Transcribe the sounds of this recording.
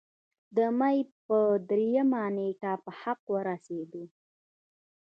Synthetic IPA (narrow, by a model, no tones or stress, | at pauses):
d̪əmajpəd̪ɾejamaneʈapəhaqwəɾased̪u